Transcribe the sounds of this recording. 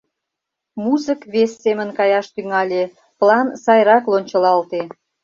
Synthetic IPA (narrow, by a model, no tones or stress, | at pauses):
muzəkβesːemə̆nkɑjɑʃt̪yŋɑlʲe | plɑnsɑjrɑklˠonʲt͡ɕə̆lɑlt̪e